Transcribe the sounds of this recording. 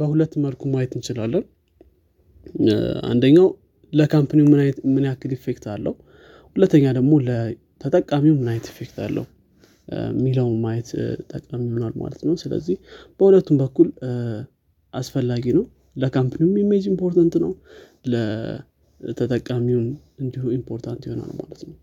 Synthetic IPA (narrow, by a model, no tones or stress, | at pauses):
bəhulət̪ːməlkʰumajɛt̪ɨnt͡ʃɪlalːən | a̰nd̪əɲːaw | ləkʰampʰɨniumɨmɨnjakːɨlife̞kt̪ʰalːə̰hu | hulət̪ʰːəɲːad̪əɡmo̞lə | t̪ʰət̪ʼəkʼːamiwunmːɨnajɛt̪ife̞kt̪ʰa̰lːə̰hu | mːiləwmajɛt̪t̪ʼːəkʼamijho̞nalma̰lət̪nəwsɨlə̰zːihb̥əhulət̪ːumbəkːul | ʔasfəlːaɡinəw | ləkʰampʰɨniwumimed͡ʒimpʰo̞ɾt̪ʰant̪nəw | lə | t̪ʰət̪ʼəkʼːamiwun | ɨnd̪ihuimpʰo̞ɾt̪ʰant̪jiho̞na̰lma̰lət̪nəw